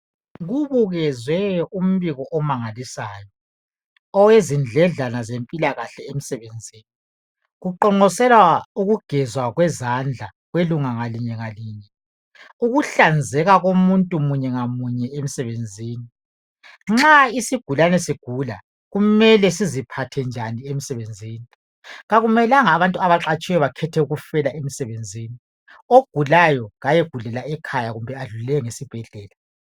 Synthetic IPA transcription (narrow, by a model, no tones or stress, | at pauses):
ɣuβuɣɛzwɛum̩βiɣɔʔɔmaŋalisaːjɔː | wezind͡ɮʱɛɮanazempʼilaɣaɬɛem̩sɛβend͡zʱiːni | ɣuǃɔŋ͡ǃɔsɛlwauɣuɡ̥ʱɛzwaɣwɛzand͡ɮʱa | ɣweluŋaŋaliɲɛɣaliːɲɛ | uɣuɬand͡zʱɛɣaɣomuntʼumuɲɛŋamuɲɛemisɛβend͡zʱiːni | ŋ͡ǁaisiɡ̥ʱulanɛsiɡ̥ʱula̰ | ɣumɛlɛsizipʰatʰɛnd͡ʒʱaniem̩isɛβend͡zʱiːni | ɣaɣumɛlaŋaːβantʼuaβaǁat͡ʃʼɛjɔβakʰɛtʰɛuɣufɛlaʔemisɛβend͡zʱiːni | oɡ̥ʱulajɔɣajeɡ̥ʱulɛlaɛkʰajaɣumbʱɛaɮulɛŋesib̥ʱɛɮɛːla